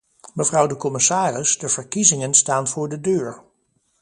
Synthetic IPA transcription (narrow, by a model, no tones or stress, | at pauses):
məvrʌwdəkɔmɪsaːrɪsdəv̥əɹkizɪŋənstaːnv̥ʊːɹdədøːɹ